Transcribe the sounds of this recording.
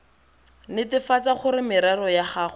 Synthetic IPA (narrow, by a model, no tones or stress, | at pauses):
nɪtɪfat͡saχʊɾɪmɪɾarɔjaχaːχʊ